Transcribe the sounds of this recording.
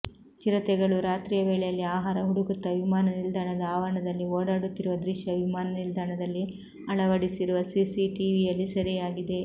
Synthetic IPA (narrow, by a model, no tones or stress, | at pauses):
t͡ʃiɾɐt̪ɛɡɐɭuɾaːt̪ɾiːjɐʋeːɭɛjɐlːiaːɦaːɾɐɦuɽuɡut̪ːɐʋimaːnɐnild̪ʱaːɳɐd̪ɐaːʋɐɳɐd̪ɐlːioːɽaːɽut̪ːiɾuʋɐd̪ɾiʃjɐʋimaːnɐnild̪ʱaːɳɐd̪ɐlːi | ɐɭɐʋɐɽisiɾuʋɐsisiʈiʋijɐlːisɐɾijaːɡid̪e̞